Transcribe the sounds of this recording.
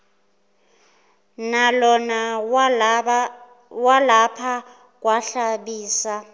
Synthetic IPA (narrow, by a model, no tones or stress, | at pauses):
nalɔna | walapʰa | k̬ʼwaɬaɓiːsa